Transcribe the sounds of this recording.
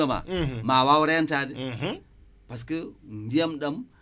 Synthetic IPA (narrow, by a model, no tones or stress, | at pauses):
ama̰mawawuɾajantadi | pas̬kəmbijamɗam